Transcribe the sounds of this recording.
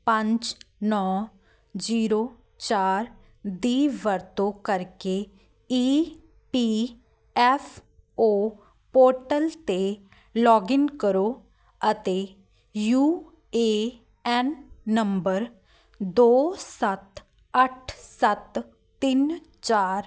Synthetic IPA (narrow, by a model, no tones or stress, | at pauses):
pə̃ɲd͡ʒnɔː | d͡ʒiːɾoː | t͡ʃaːɾ | d̪iːʋəɾt̪õːkəɾkeː | iː | piː | ɛfʰ | oː | poːɾʈəlt̪eː | lɔːɡɪnkəɾoː | ət̪eː | juː | eː | ɛːnːəmbəɾ | d̪oːsət̪ | əʈʰsət̪ː | ɪn | t͡ʃaːɾ